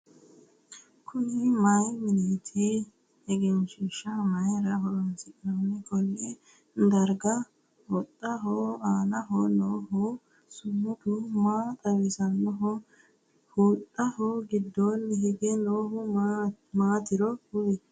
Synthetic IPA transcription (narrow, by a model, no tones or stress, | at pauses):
kʰʊnɪmɐjmɪnɛːt̪ʰi | ɛɡɛnʃɪʃɐmɐjɾɐɦɔɾɔnsɪkʼɪnɐnːɛkʼɔlːe | d̪ɐɾɡɐ | hɔt̪ʼːɐɦoaːnɐɦonoːɦʊ | sʊmːʊd̪umaːt̪ʼɐwɪsɐnːɔɦɔ | huːt̪ʼːɐhoːɡɪd̪ːoːnːɛɦɪɡɛnoːhʊ | maːt̪ɪɾɔʊjɛ